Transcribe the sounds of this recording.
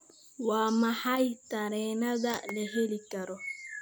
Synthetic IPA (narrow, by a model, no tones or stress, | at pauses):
waːmahajtaɾɛnaɡaleɦelikaɾɔ